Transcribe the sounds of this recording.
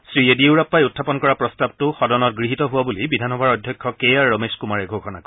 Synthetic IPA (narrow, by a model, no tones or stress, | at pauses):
sɹiedieʊɹapːajutʰːapɔnkɔɹapɹɔstab̚tʊxɔdɔnɔt̚ɡɹiɦitɔɦʊwabulibidʱanxɔbʱaɹɔdʱjɔkʰːɔkejaɹːɔmeskumaɹɛɡʱokʰɔna̰kɔ